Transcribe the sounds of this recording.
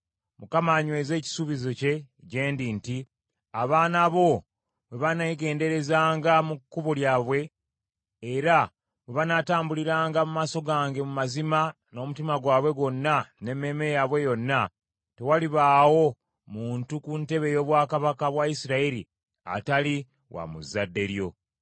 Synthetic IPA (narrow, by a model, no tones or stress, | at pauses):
mukamaɲwe̞ːze̞ːci̥suβizo̞ce̞ | ɟe̞ːndinti | aβaːnaβo̞ | βe̞βanaiɡe̞ːnde̞ɾe̞zaːŋɡamukːuβoljaːβwe̞ː | ɾa | βe̞βanataːmbuliɾaːŋɡamumaːso̞ɡaːŋɡe̞mumazima | no̞ːmutimaɡwaːβwe̞ɡo̞nːane̞me̞mejaβwe̞jo̞nːa | te̞waliβaːwo̞ | muːntukunte̞βe̞jo̞ːβwaːkaβakaβwaisiɾaiɾi | a̰tali | wʔa̰mṵzadːe̞ɾjo̞